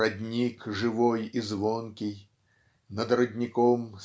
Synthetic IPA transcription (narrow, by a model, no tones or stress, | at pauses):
ad̪ʲnʲikʐɨvɔjizvɔnkʲij | nɐd̪ɾɐd̪ʲnʲikɔms